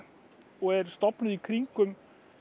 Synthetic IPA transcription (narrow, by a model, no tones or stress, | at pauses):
ɔæɾst̪ɔpnəðikʰɾiŋkʉm